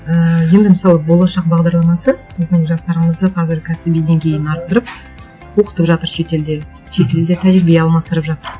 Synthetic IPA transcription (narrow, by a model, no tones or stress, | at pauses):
əje̞nd̪ɪməsɑlˠəbo̞lˠɑʃɑq̚bɑʁd̪ɑɾlˠɑmɑsəsozd̪əɴʒɑst̪ɑɾəɴəzd̪əqʰɑzɪɾkʲʰæsɪbijd̪e̞ŋkʲʰe̞jɪnɑɾq̚t̪əɾəp̚ | wo̞qə̥t̪əpʒɑt̪əɾʃet̪eld̪e | ʃe̞t̪e̞ld̪et̪ʰæʒɪɾɪbjeɑlˠmɑst̪əɾəpʒɑt̪əɾ